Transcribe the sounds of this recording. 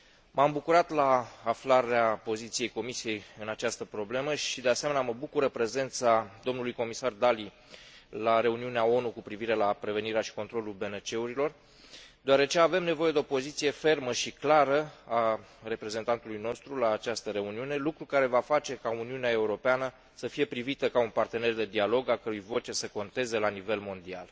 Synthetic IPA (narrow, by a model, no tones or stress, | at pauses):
mambukuɾat̪laːflaɾeapo̞zit̪sije̞jko̞misije̞jɨnat͡ʃast̪əpɾo̞ble̞məʃid̪e̞ase̞me̞nʲaməbukuɾəpɾe̞ze̞nt̪sad̪o̞mnulujko̞misard̪ali | laɾe̞uniuneao̞nukupɾiviɾe̞lapɾe̞ve̞niɾeaʃi̥ko̞nt̪ɾo̞lulbe̞net͡ʃe̞uɾilo̞r | d̪oaɾe̞t͡ʃe̞ave̞mne̞vo̞je̞d̪e̞opo̞zit̪sije̞fe̞rməʃiklaɾəare̞pɾe̞ze̞nt̪ant̪ulujno̞st̪ɾulaːt͡ʃast̪əɾe̞uniune̞lukɾukaɾe̞vafat͡ʃe̞kauniuneae̞uɾo̞peanə | səfije̞pɾivit̪əkaunpart̪e̞ne̞rd̪e̞d̪ialo̞ɡalkəɾujvo̞t͡ʃe̞səko̞nt̪e̞ze̞lanive̞lmo̞nd̪ia̰l